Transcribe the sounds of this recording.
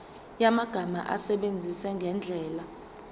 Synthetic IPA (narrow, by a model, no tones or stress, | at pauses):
jamaɡ̥ʱama̰ʔa̰sɛɓend͡zʱisɛŋɡʱɛnd͡ɮʱɛːla